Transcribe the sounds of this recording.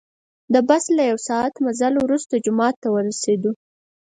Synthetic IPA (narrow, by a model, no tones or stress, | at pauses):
d̪əbaslːajawsɑat̪mazalwɾust̪ad͡ʒʊmɑt̪ːawəɾased̪u